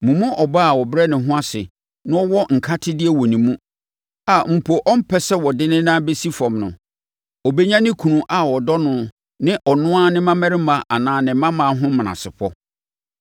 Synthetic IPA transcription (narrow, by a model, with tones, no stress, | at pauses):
mũ˨mʊ̃˦ʔɔ˨baː˦a˨wɔ˨bɾɛ˦nɪ̃˨ɦʊ̃˦a˦sɪ̰˨ | nʊ̃˦ɔ˦wɔ˦ŋ̩˨kʰa˦tʰɪ˦dɪ˦ɛ˦wɔ˨nĩ˨mũ˦ | a˨m̩˨pʰo˨ʔɔ˦m̩˦pʰɛ˦sɛ˦wɔ˨dɪ˦nɪ̃˦nãː˦be˦si˦fɔ̃˨mnʊ̃˨ | ɔ˨be˦ɲã˦nɪ̃˦kʰũ˨nũ˨ʔa˨wɔ˨dɔ˦nʊ̃˨ | nɪ̃˦ʔɔ˨nʊ̃˦a˦nɪ̃˦mã˦mɛ̃˦ɾɪ˦mã˨ʔa˨nãː˨˦nɪ̃˨˦mã˦mã˨˦ɦʊ̃˦m̃˨nã̰˨sɪ˨pʰɔ˦